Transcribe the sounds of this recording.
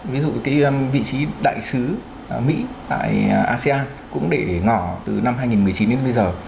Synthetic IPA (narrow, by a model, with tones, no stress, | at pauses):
vi˨˦zṵ˧˨kaː˨˦jvḭ˧˨t͡ɕi˨˦ɗa̰ː˧˨jsɨ˨˦ | mḭ˧˥t̪a̰ː˧˨jʔaː˧se˧aː˧n | kʊ̰˧˥ŋ͡mɗe˧˩ŋɔ˧˩t̪ɨ˨˩na˧mɦaː˧jŋi˨˩nmɨ˨˩əjt͡ɕi˨˦ne˧nɓə˧jzəː˨˩